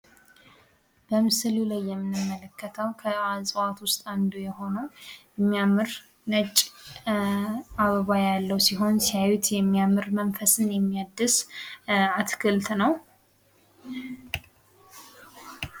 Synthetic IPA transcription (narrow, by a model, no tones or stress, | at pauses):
b̥əmɨsɨlulajːɛmːɨnɨmːələkːət̪ʰəwkʰəazʼəwat̪wʊst̪ʼand̪ujɛho̞nəwjɛmːijamɨɾ | nət͡ʃʼː | aβəβajalːəwsiɦo̞nsijawut̪jɛmːijamɨɾmənfəsɨnjɛmːijad̪ːɨs | at̪kʰɨlt̪nəw